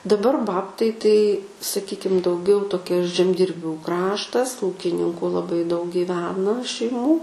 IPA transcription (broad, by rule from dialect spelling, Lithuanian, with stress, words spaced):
dɐˈbɐr ˈbɑːptɐɪ ˈtɐɪ sɐˈkʲiːkʲɪm dɐʊˈɡʲɛʊ toːˈkʲɛ ʒʲɛmʲdʲɪrʲˈbʲuː ˈkrɑːʃtɐs ˈuːkʲɪnʲɪŋkʊ lˠɐˈbɐɪ dɐʊk ɡʲiːˈʋʲæːnɐ ʃʲɛɪˈmuː